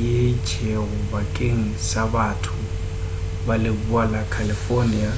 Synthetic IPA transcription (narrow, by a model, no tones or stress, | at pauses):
jet͡ʃʰʼeɣʊbakʼeŋ̩sabatʰʊ | balɪbualakʰalɪfɔnia